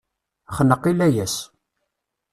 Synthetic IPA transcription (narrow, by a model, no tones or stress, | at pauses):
χnəqːilæjæs